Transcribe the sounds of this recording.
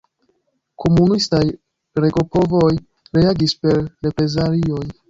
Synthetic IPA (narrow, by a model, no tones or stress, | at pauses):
kʰo̞munistaj | ɾe̞ɡo̞po̞voj | ɾeaɡispe̞ɾɾe̞pɾe̞zaɾio̞j